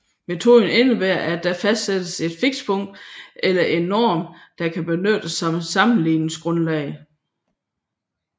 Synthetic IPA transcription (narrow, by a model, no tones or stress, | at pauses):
me̝t͡sʰo̝ðˠn̩e̝nləb̥eɐ̰æd̥æfæsd̥sed̥əse̝d̥feɡ̥sb̥ʰɔ̽ŋ̰d̥elɐʔe̝nːɒ̰ːmd̥ɑ̈kʰæb̥e̝nød̥əsɒ̽msɑ̈mn̩liːnn̩sɡ̥ʁɔ̽nlɛ̰ɪ